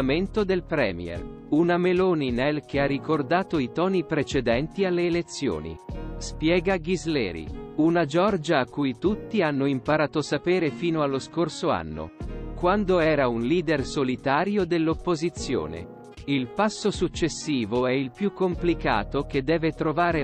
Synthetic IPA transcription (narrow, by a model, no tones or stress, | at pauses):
ment̪od̪elpɾɛ̰ːmj̰ɛ̰r | unameloːninɛlk̟earːikord̪aːt̪oit̪ɔːnipɾet͡ʃed̪ɛnt̪ialːeːlet̪sːjo̰ːnḭspjɛːɡaɡizlɛːɾḭunad͡ʒɔrd͡ʒaːkːujt̪ut̪ːianːoimpaɾaːt̪osapeːɾefiːnoalːoskorsoa̰nːo̰kwand̪oɛːɾaunliːd̪ersolit̪aːɾjod̪elːopːozit̪sːjo̰ːnḛ | ilpasːosut͡ʃːesːiːvoɛilpjukːomplika̰ːt̪ok̟ed̪ːɛːvet̪ɾovaːɾe